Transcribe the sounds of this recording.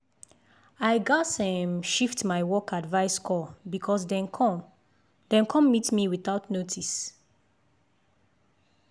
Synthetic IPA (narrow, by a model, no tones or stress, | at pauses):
aɪɡasɛ̃mʃiftmaɪwɔkʰatvaɪskʰɔbikʰɔsdɛ̃nkʰɔ̃m | dɛ̃nkʰɔ̃mːitmiwiθaʊtnotʰis